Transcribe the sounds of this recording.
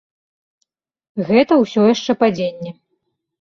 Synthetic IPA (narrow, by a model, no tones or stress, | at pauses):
ɣɛt̪ɐwsʲɔjaʂt͡ʂɛpad͡zʲenʲːɛ